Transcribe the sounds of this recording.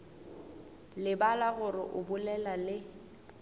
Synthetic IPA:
lɪbalaɣʊrɪʔʊbʊlɛlalɪ

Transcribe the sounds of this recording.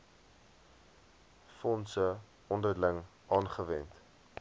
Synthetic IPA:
fɔnsə | ɔndərləŋ | ɑːnχəvɛnt

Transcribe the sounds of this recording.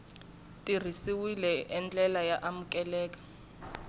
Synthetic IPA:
tʼir̤isiwilɛʔɛnd͡ɮʼɛlajaʔamukʼɛlɛːk̬ʼḁ

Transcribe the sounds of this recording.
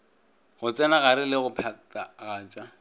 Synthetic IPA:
ɣʊt͡sʼɛnaɣaɾɪlɪɣʊpʰatʼaɣaːt͡ʃʼa

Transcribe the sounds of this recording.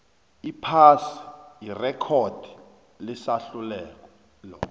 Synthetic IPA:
ipʰasi̥jirɛkʰɔd̥ʱi | lisaɬulɛːk̬ɔ | lɔ

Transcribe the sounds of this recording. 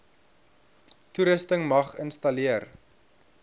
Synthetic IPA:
tuɾəstəŋmɐχənstɐliər

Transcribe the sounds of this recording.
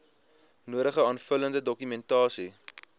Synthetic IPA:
nuəɾəχəɑːnfələndədɔkymɛntɑːsi

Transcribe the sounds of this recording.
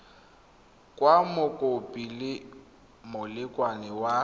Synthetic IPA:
kʼwamʊkʼopʼilɪ | mʊlɪkʼwanɪwa

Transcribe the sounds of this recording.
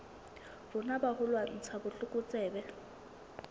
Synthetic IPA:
b̥ʊnabahʊlwan̩t͡sʰabʊɬʊkʼʊt͡sʼɛːbɛ

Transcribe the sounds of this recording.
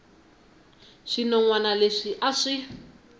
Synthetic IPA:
ʂinɔŋwanaleʂiʔaʂi

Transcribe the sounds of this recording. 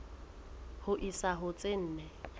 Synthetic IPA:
hʊʔisaɦʊt͡sʼɪn̩ːnɛ

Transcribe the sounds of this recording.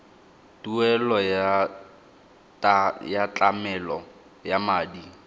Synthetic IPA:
tuɛlɔj | jat͡ɬʼamɛlɔ | jamaːdi

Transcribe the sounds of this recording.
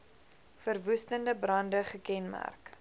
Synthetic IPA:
fərvustəndəbrɐndəχəkɛnmæ̰rk

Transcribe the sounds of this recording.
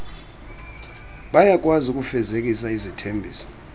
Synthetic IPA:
ɓajak̬ʼwazukʼufɛzek̬ʼisaizitʰembʱiːsɔ̥

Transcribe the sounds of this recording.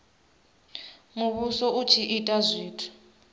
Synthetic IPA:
ŋuβusɔʔut͡ʃʰiʔitʼazʷiːtʰu̥

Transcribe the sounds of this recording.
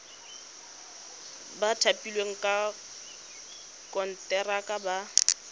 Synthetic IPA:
batʰapʼilweŋ̩kʼa | kʼɔn̩tʼɛrakʼaba

